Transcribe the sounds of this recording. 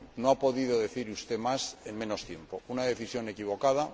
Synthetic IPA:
noapo̞ðiðo̞ðe̞θiɾust̪e̞mase̞ŋmẽ̞no̞st̪je̞mpo̞unaðe̞θisjo̞ne̞kiβ̞o̞kað̞a

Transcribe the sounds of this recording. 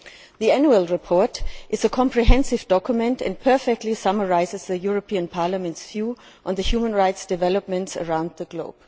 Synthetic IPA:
ðiænjuəlˠɹɪpʰɔɹtʔɪzəkʰɔ̃mpʰɹ̥iɦɛ̃nsɪvdɔkʰjʊmɛ̃ntɨ̰̃npʰɜ˞fɛk̚tʰˡlisʌmə˞aɪzɨzðɨjʊɹɔpʰĩə̃npʰaɹləmɛ̃ntsv̥juː | ʔə̃nðɨhjumə̃nɹaɪtsd̥ɨvɛləp̚mɨ̃ntsə̰ɹãʊ̃nd̪̚ðəɡloʊb̥

